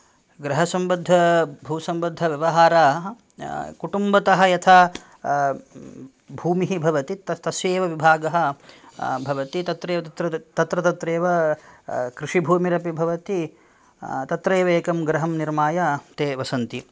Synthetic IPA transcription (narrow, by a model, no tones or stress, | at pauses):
ɡɾɐɦɐsɐmbɐd̪ʱːɐbʱuːsɐmbɐd̪ʱːɐʋjɐʋɐɦaːɾaː | kuʈumbɐt̪ɐɦɐjɐt̪ʰaː | bʱuːmiɦibʱɐʋɐt̪it̪ɐt̪ɐsjeːʋɐʋibʱaːɡɐɦɐ̆ | bʱɐʋɐt̪it̪ɐt̪ɾeːʋɐt̪ɾɐt̪ɐt̪ɾɐt̪ɐt̪ɾeːʋɐ | kɾiʂibʱuːmiɾɐpibʱɐʋɐt̪i | t̪ɐt̪ɾeːʋɐeːkɐmɡɾɐɦɐmniɾmaːjat̪eːʋɐsɐnt̪i